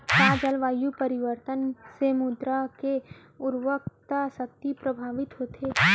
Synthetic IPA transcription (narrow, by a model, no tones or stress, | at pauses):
kaːd͡ʒəlʋaːjupəɾɪʋəɾt̪ənsemud̪ɾake | ʊɾʋək̚t̪asək̚t̪ipɾəbʱaːʋɪt̪ɦoːt̪ʰeː